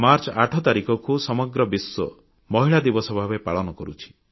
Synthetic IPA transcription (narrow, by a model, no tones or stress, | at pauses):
maɾt͡ʃaʈʰɔt̪aɾikɔkusɔmɔɡɾɔbisːɔ̰ | mɔɦiɭad̪ibɔsɔbʱabepaɭɔnɔkɔɾut͡ʃʰi̥